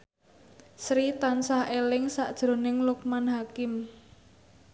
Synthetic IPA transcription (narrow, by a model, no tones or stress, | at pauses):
sɾit̪ansahelɪŋsaʔd̥ʒ̥ɾo̤nɪŋluk̚manɦakɪm